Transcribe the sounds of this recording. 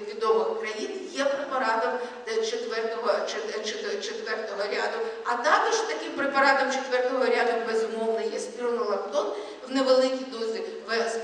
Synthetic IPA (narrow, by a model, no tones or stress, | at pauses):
ʋʲid̪ɔʋɪxkɾɐjinjɛpɾepɐɾɑt̪ɐm | t͡ʃet̪ʋɛrt̪ɔɦɔt͡ʃt͡ʃet͡ʃet̪ʋɛrt̪ɔɦɔɾʲɑd̪ʊɐt̪ɑkɔʒt̪ɐkɪmpɾepɐɾɑt̪ɐmt͡ʃet̪ʋɛrt̪ɔɦɔɾʲaɑd̪ʊmbezʊmɔwnɐjɛspʲirnɔlˠɐkt̪ɔn | wneʋelˠɪkʲid̪ɔzʲɪ | ʋɛs